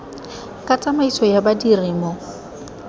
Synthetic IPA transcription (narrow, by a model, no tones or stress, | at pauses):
kʼat͡sʼamaisʰɔjabadiriːmɔ